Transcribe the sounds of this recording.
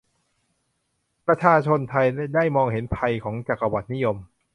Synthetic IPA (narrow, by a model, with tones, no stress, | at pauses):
pɾa˧t͡ɕʰaː˧t͡ɕʰo˧nt̪ʰa˧jdaː˥˩jmɔː˧ŋhe˩˦npʰa˧jkʰɔː˩˦ŋt͡ɕa˨˩kːa˧wa˨˩t̪̚ni˦˥jo˧m